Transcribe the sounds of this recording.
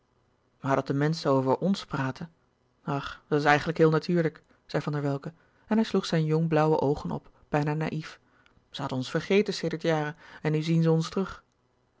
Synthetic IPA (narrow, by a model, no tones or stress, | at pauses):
maːɹdɑt̚dəmɛnsəowvəɹʔɔnspraːtə | ɑχd̥ɑtɪsɛjχən̩ləkɦɪːlˠnatyːɹlək | z̥ɛjvɑndəɹʋɛlˠkə | ɛnɦɛjsluχsɛjnjɔŋblʌwə̰ʔowχənɔ̰p | b̥ɛjnaːna̰ːʔif | z̥əɦɑdənɔnsfəɹχejtənsejdəɹtjaːrəɛnːyzinzəɔnstrɵχ